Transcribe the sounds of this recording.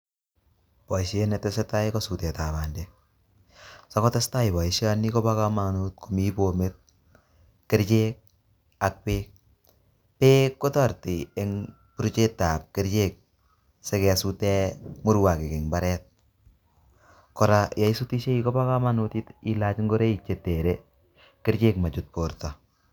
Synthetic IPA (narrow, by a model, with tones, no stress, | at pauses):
pɔ˨iʃenɛtɛseta˦ikɔsu˨tɛ˨ta˨βa˨nde | sa˦kɔ˦tɛsta˦ibɔ˨iʃaniko˦baka˦ma˨nut̚kumi˦bo˨met̚ | ke˦ɾt͡ʃek̚ | a˨k̚pek̚ | pe˦kːo˦tɔ˦rti˨e˦ŋ | pu˦ɾt͡ʃe˦ta˨p̚keɾt͡ʃek̚ | se˦kɛ˨sutemʊ˦ɾwa˨kɪ˨kɪ˨ŋbaɾɛt̚ | kɔɾaja˦isuti˦ʃe˦ikɔ˦pa˦ka˦ma˦nuti˦ti˦lat͡ʃŋɡɔ˦ɾe˦it͡ʃe˨te˨ɾe | kɪ˦ɾt͡ʃe˦kma˨t͡ʃut̚po˨ɾta